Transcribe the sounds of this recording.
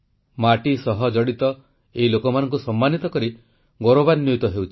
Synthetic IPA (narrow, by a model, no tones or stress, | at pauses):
maʈisɔɦɔd͡ʒɔɽit̪ɔ | eɦilokɔmanɔŋk̬usɔmːanit̪ɔkɔɾi | ɡɔɾobanjojt̪ɔɦewt͡ʃʰi̥